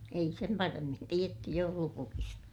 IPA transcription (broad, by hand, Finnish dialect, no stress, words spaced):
ei sem pɑremːin tietːy joulupukistɑ